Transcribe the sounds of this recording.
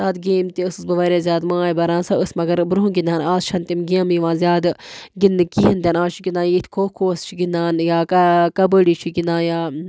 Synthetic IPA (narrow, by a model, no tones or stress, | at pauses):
saːd̪ɡeːmt̪iɨsɨsbɐʋɐɾʲeːzʲaːd̪mãːjbɐɾãːnsɐəsmɐɡɐɾbɾuɦũɡind̪aːnaːzt͡ʃʰɐnt̪imɡimiʋãːzʲjaːd̪ɡinːɨkiɦint̪ʲaːnaːst͡ʃʰiɡʲind̪ãːnjit̪ʰʲkʰoːkʰoːst͡ʃʰiɡind̪aːnjaːkɐkɐbəɽit͡ʃʰiɡind̪aːnjaː